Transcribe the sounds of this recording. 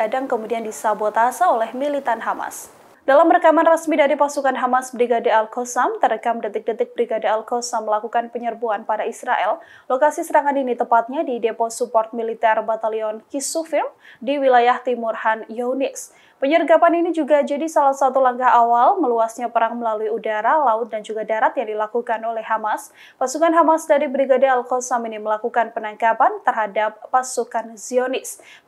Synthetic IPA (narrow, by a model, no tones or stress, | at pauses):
adaŋkəmudiandisabot̪asaolɛhmilit̪anɦama̰s | dalamrəkamanrəsmidaɾipasukanɦamasbɾiɡadialkɔsamt̪ərəkamdət̪ɪk̚dət̪ɪk̚bɾiɡadialkɔsamːəlakukanpəɲərbuanpadaisɾaʔɛl | lokasisəɾaŋaninit̪əmpat̪̚ɲadidepɔsupɔrt̪̚milit̪ɛrbat̪aliɔnkisufɪm | diwilajaht̪imurhanjownɪs | pəɲərɡapaninid͡ʒuɡad͡ʒadisalahsat̪ulaŋkaɦawalməluasɲapəɾaŋməlaluiudaɾalaʊt̪̚dand͡ʒuɡadaɾat̪jaŋdilakukanolɛhːamas | pasukanɦamasdaɾibɾiɡadealkɔsaminiməlakukanpənaŋkapant̪ərɦadap̚ːasukanziɔnɪs